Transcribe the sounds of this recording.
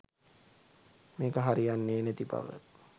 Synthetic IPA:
meːkəɦaɾijanːeːnet̪iba̰ʋə̰t̪

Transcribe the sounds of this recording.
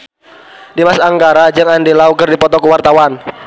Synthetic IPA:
dimasaŋɡaɾad͡ʒɨŋandilaukərdipɔt̪ɔkəwart̪awan

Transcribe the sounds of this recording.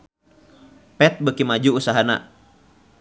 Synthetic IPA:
pɛt̪̚bəkimad͡ʒuːsaɦana̰

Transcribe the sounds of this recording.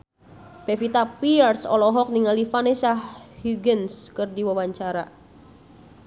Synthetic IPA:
b̥efit̪apiɛrsɔ̰lɔɦɔk̚niŋalifanesahhuɡənskɨrdiwawaɲt͡ʃaɾa

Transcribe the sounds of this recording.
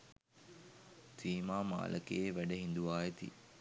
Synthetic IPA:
t̪iːmaːma̰ːlʔəkeʋæɖəɦind̪uʋaːjet̪ḭ

